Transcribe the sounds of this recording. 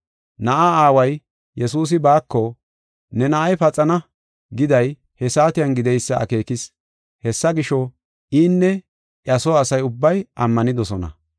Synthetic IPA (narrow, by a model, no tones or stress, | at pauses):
nɐʔaaːwɐj | jɛsuːs̬ɪbaːkːɔ | nɛnɐʔɐjpɐt͡sʼɐnɐ | ɡɪd̪ɐj | hɛsaːt̪ɪjɐnɡɪd̪ɛjsːɐɐ̰ke̞ːkɪs | hɛsːɐɡɪʃɔ | ʔiːnːɛ | ʔɐsɔɐsɐjʊbːɐjʔɐmːɐnɪd̪ɔsɔnɐ̰